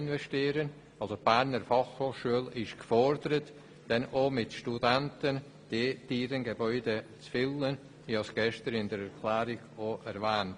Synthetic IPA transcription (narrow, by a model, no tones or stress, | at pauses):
ɪnvɛʃtiːɾən | ɑlsob̥æɾnəɾfɑχhoːχʃuəlɪʃkfɔɾdəɾət | d̥ɛnʔomɪtʃtudɛntən | d̥eːd̥iːɾənɡəbɔʏdet͡sfɪlən | viːɑsɡ̥ɛʃtəɾɪndəɾɛɾkʰlɛːɾɪɡoʔɛɾvɛːnt